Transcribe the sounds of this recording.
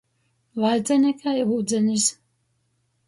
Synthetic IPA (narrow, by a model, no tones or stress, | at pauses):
lajd̪zɛnʲɛkʰajuːd̪zʲɛnʲis